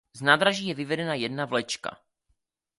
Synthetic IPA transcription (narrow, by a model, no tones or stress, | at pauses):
znaːd̪ɾaʒiːjɛvɪvɛdɛnajɛdnavlɛt͡ʃka̰